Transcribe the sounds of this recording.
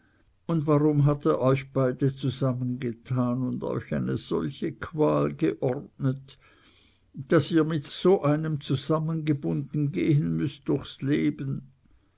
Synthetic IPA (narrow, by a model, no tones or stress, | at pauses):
ʊndvaʁʊmɦateːɐʔɔʏçb̥aɪdət͡suzamənɡətʰaːnʊndɔ̰ʏça̰ɪnəz̥ɔ̰lçəkʰv̥aːlɡəʔɔʁtnət | d̥asiːɐmɪtz̥oːʔaɪnəmt͡suzamənɡəbʊndn̩ɡeːɦənmʏstd̥ʊçsleːbən